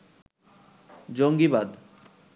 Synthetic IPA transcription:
d͡ʑoŋɡibad̪

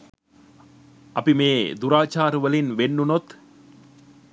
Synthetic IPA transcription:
ɐpimeːd̪uɾaːt͡ʃaːɾuʋəlinʋenːunot̪

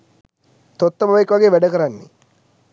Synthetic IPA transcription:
t̪ot̪ːəbaʋaikːʋaɡeːʋɛɖəkəɾanːḛ

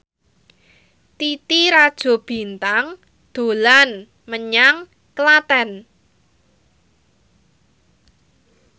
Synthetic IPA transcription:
t̪it̪iɾad̥ʒ̥ɔ̤b̥i̤nt̪aŋ | d̪̥o̤lan | məɲaŋ | kəlat̪ɛn

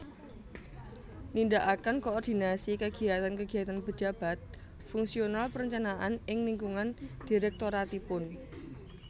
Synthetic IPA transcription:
nindaʔakənkoɔrd̪̥i̤nasikəɡ̥i̤at̪ankəɡ̥i̤at̪anpə̥d͡ʒa̤b̥a̤t̪̚ | fuŋsionalpəɾəɲt͡ʃanaʔanɪŋliŋkuŋand̪̥iɾɛk̚t̪oɾat̪ipʊn

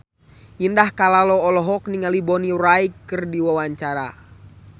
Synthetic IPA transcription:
indahkalalɔːlɔɦɔk̚niŋalibɔniuraikːɨrdiwawaɲt͡ʃaɾa̰

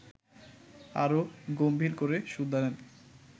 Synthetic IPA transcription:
aɾoɡombʱiɾkoɾeʃud̪ʱːanen

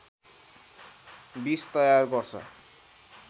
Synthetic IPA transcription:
bist̪ʌjarɡʌrt͡sʰʌ̰

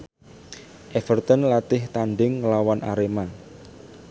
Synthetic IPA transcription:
ʔɛfərt̪ənlat̪ɪht̪aɳɖɪŋːəlawana̰ɾema

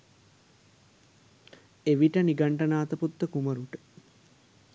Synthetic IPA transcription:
eʋiʈəniɡaɳʈɐnaːt̪əput̪ːəkuməɾuʈə̥

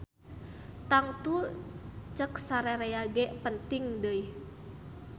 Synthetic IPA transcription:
t̪aŋt̪u | t͡ʃəksaɾɛɾɛjaɡɛpənt̪ɪŋdəi

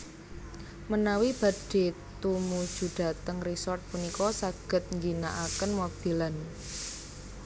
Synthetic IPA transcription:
mənawib̥a̤ɖ̥e̤t̪umud̥ʒ̥ṳɖ̥a̤t̪əŋrisɔrt̪̚punikɔsaɡ̥ə̤t̪̚ŋɡinaʔakənmob̥ilən

